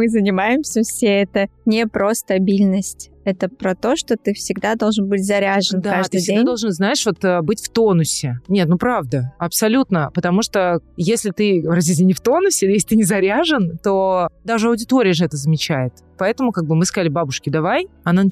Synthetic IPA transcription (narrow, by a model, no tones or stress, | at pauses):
mɨzənʲɪmajɪmsʲəfsʲeɛt̪ənʲɪpɾʔost̪ɐbʲilʲnəsʲtʲ | ɛt̪əpɾɐt̪o̞ʂt̪o̞t̪ɨfsʲɪɡd̪ad̪o̞lˠʐɨnbɨtʲzɐɾʲaʐɨnd̪akaaʐd̪ɨjdʲɪɡed̪ad̪o̞lˠʐɨnznaɪʂvo̞t̪əbɨtʲft̪o̞nʊsʲɪnʲe̞t̪nupɾavd̪əɐpsɐlʲut̪nəpət̪ɐmuʂt̪ojesʲlʲɪt̪ɨvɾazʲdʲis̬ʲt̪ʲɪnʲɪft̪o̞nʊsʲɪljes̬ʲlʲɪt̪ɨnʲɪzɐɾʲaʐɨnt̪od̪aʐɨɐʊdʲɪt̪o̞ɾʲɪjəʐɨɛt̪əzəmʲɪt͡ɕæjɪt̪ | pɐɛt̪əmʊkaɡ̚bɨmɨskɐzalʲɪbabʊʂkʲɪd̪ɐvajɐnan